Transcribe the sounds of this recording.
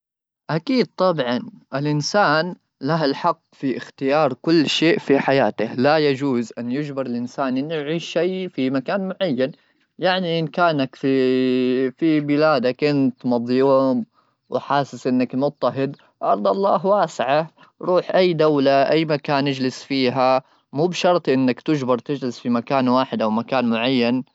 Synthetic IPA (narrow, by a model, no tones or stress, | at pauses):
ʔakiːd̪̚t̪ˤɑbʕɑnʔɪlʔɪnsaːn | laɦalħɑqːfiʔɪxt̪ɪjɑːɾˤkʊlːʃeːʔfiħajaːt̪ɪhlajad͡ʒuːzʔanːjɪd͡ʒbɪɾˤɪlʔɪnsaːnʔɪnːjʕiːʃːajfimakaːnmʊʕajːan | jaʕniʔɪnkaːnakfi | fibɪlaːd̪akʔɪnt̪mɑðˤjum | wɪħaːsɪsʔɪnːakmʊt̪ːaɦɪd̪ | ʔɑɾˤd̪ˤɑlˤːɑːɦwaːsɪʕa | ɾˤuːħʔajːd̪awlaʔajːmakaːnʔɪd͡ʒlɪsfiːɦa | muːbʃɑɾˤt̪ˤʔɪnːakt̪ɪd͡ʒbɑɾˤt̪ɪd͡ʒlɪsfimakaːnwaːħɪd̪ʔawmakaːnmʊʕajːan